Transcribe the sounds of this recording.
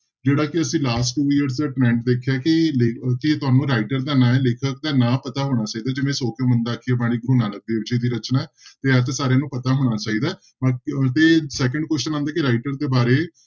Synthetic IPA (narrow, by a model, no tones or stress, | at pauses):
d͡ʒeːɽaːkɪəsĩːlaːsʈʈuːiəɾs̬d̪aːʈɾɛ̃ːɳʈd̪eːkʰjaːkɪleːkɪt̪ʊaːnũːɾaːɪʈəɾd̪aːnãːɛleːkʰək̚d̪aːnãːpət̪aːɦoːɽ̃aːt͡ʃaːiːd̪aːd͡ʒɪʋẽːsoːkõːmənd̪aːkʰieːbaːɽ̃iːɡɾuːnaːlək̚b̪eːʋd͡ʒiːd̪iːɾət͡ʃnaːɛ | t̪eːət̪ːsaːɾejãːnũːpət̪aːɦoːɽ̃aːt͡ʃaːiːd̪aː | mat̪eːsɛːkəɳɖkwɛst͡ʃənãːnd̪aːkɪɾaːɪʈəɾd̪eːbaːɾeː